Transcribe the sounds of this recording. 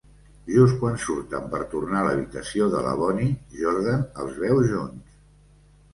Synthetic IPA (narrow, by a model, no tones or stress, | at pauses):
ʒuskwansuɾt̪əmpəɾt̪urnaləβit̪əsioðə̰lə̰βɔniʒɔɾðənəlˠzβɛwzʒons